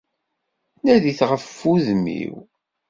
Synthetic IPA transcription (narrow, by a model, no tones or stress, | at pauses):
næðiθʁəfːuðmḭw